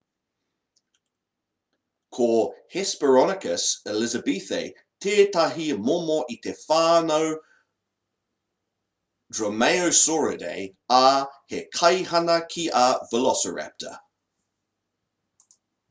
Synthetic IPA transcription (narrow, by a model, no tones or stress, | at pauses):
kʰohɛspəɹɔnɪkʰəsɪlɪzəbiθḛɪ | tʰeːtʰaɦimomoʔitʰefaːnow | dɹɔmeɪowsɔɹədḛɪahekʰajhanakʰiʔavəlɔsəɹɛ̰p̚tʰə̰